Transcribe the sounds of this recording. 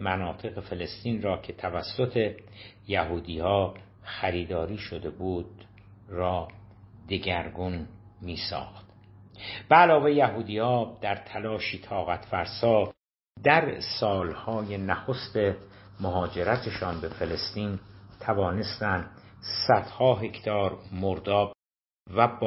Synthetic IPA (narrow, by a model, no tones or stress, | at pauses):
mænɒːt̪ʰe̞ɣe̞fe̞le̞st̪iːnrɒːcʰe̞t̪ʰævæsːot̪ʰe̞ | jæɦuːd̪iːhɒː | xæɾiːd̪ɒːɾiːʃo̞d̪e̞buːd̪ | rɒːd̪e̞ɟæɾɡun | miːsɒ̰ːxt̪ | b̥eælɒːve̞jjæɦuːd̪iːhɒːd̪̥æɾt̪ʰælɒːʃiːt̪ʰɒːɣæt̪ʰfæɾsɒː | d̪æɾsɒːlhɒːje̞næxost̪e̞ | moɦɒːd͡ʒe̞ɾæt̪ʰeʃɒːnbe̞fe̞le̞st̪iːnt̪ʰævɒːne̞st̪ænd̪sæd̪̥hɒːɦe̞kʰt̪ʰɒːɾmoɾd̪ɒːb | væb